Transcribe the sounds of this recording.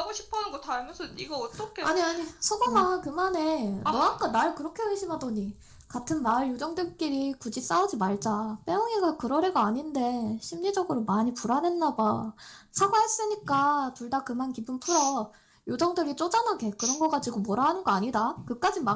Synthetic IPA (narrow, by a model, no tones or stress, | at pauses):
ɡoɕʰi̥pʰanɯnɡʌtʰaɾɯmjʌnsʰʌiɡʌʌt͈ʌkʰeaɲiaɲisʰʌɡomankɯmane̞ʌak͈anaɭkɯɾʌkʰe̞weɕʰimɦadʌɲi | katʰɯnmaɭjud͡ʑʌŋdɯɭk͈iɾikud͡ʑis͈aod͡ʑimaɭd͡ʑap͈eoŋiɡakɯɾʌɾeɡaaɲinde̞ɕʰimɲid͡ʑʌɡɯɾomaɲipuɾanenːabasʰaɡwaɦes͈ɯɲik͈atuɭdakɯmankibɯmpʰɯɾʌb̚ | jod͡ʑʌŋdɯɾit͡ɕ͈od͡ʑanaɡe̞kɯɾʌnɡʌk͈ad͡ʑiɡomoɾaɦanɯnɡʌaɲidakɯk͈ad͡ʑima